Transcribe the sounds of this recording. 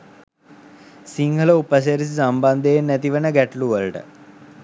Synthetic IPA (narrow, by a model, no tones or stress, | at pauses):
siŋɡʱələupəs̬eɾis̬isamband̪ejenːæt̪iʋənəɡæʈluʋəlʈə̰